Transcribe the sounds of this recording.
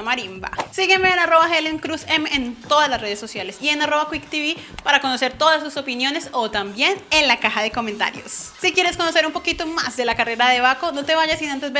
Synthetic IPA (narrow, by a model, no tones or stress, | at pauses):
maɾimba̰siɣeme̞ːnaro̞βaxelemkɾusemeːnt̪o̞ðaslasre̞ð̞esːo̞sjale̞sie̞naro̞βakwikt̪iβipaɾako̞no̞se̞ɾt̪o̞ðas̬uso̞pinjo̞ne̞so̞t̪ambje̞ne̞nlakaxaðe̞ko̞ment̪a̰ɾjo̰sːikje̞ɾe̞sko̞no̞se̞ɾumpo̞kit̪o̞ma̰zd̪e̞lakare̞ɾaðe̞βako̞no̞t̪e̞βaʝasinant̪ezβe